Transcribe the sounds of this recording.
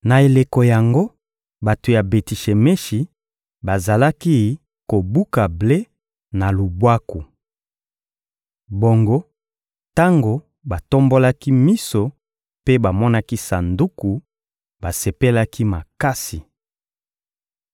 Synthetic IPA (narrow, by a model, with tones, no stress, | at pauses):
na˨e˨le˨ko˨ja˨ŋɡo˦ | ba˨to˨ja˨be˨ti˨ʃe˨me˦ʃi˨ | ba˨za˨la˦ki˦ | ko˨bu˦ka˨ble˦ | na˨lu˨bwa˦ku˨ | bo˨ŋɡo˦ | ta˦ŋɡo˨ | ba˨to˦mbo˦la˦ki˦mi˦so˨ | pe˦ba˨mɔ˦na˦ki˦sa˨ndu˦ku˨ | ba˨se˨pe˦la˦ki˦ma˨ka˦si˨